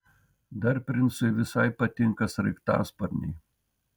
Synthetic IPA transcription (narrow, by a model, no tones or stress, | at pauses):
d̪ɐɾʲpʲɾʲɪnsʊɪʋʲɪsɐɪpɐt̪ʲɪŋkɐsɾɐɪkt̪ɑ̰ːspɐɾʲnʲɛ̰ɪ